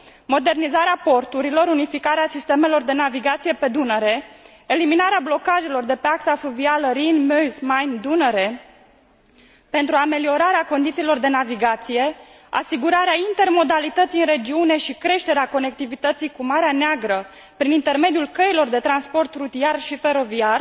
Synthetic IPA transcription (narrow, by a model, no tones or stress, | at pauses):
mo̞d̪e̞rnizaɾeapo̞rt̪uɾilo̞ɾunifikaɾeasist̪e̞me̞lo̞rd̪e̞naviɡat̪sije̞pe̞d̪unəɾe̞ | eliminaɾeablo̞kaʒe̞lo̞rd̪e̞peaksafuvialəɾinmøzmajnd̪unəɾe | pe̞nt̪ɾuame̞lio̞ɾaɾeako̞nd̪it̪siːlo̞rd̪e̞naviɡat̪sije̞ | a̰siɡuɾaɾeaint̪e̞rmo̞d̪alit̪ət̪siɨnɾe̞d͡ʒiune̞ʃikɾe̞ʃt̪e̞ɾeako̞ne̞k̚t̪ivit̪ət̪sijkumaɾeaneaɡɾə | pɾinint̪e̞rme̞d̪ijulkəilo̞rd̪e̞t̪ɾanspo̞rt̪rut̪iarʃife̞ɾo̞viar